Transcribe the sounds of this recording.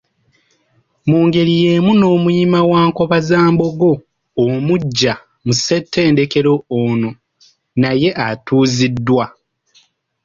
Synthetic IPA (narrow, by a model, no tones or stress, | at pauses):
muːŋɡe̞ɾije̞ːmuno̞ːmujimawaːŋko̞βazaːmbo̞ɡo̞ː | muɟːa | musetʰːe̞ːnde̞ke̞ɾo̞ːno̞ | naje̞ʔatuːzidːwa